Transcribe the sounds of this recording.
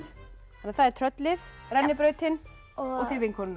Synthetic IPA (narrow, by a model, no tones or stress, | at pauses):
fanaθaðɛɾt̪ʰɾœt̪lɪðrɛnːɪpɾœːɥt̪ɪn | ɔɣθɪvɪŋkʰɔːn